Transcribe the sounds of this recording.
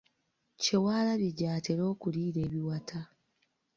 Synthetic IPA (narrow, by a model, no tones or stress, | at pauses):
cewaːlaβeɟaːteɾo̞ːkuɾiːɾe̞ːβiwatʰa